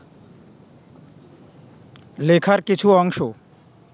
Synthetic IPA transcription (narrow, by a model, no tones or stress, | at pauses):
lekʰaɾkit͡ɕʰuɔŋʃo